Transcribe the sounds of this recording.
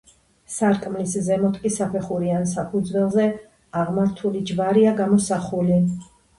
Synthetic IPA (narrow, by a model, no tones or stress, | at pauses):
saɾkʼmliszɛmɔt̪ʰʼkʼisapʰɛχuɾiansapʰud̪zwɛlˠzɛ | aʁmaɾt̪ʰulid͡ʒvaɾiaɡamɔsaχuli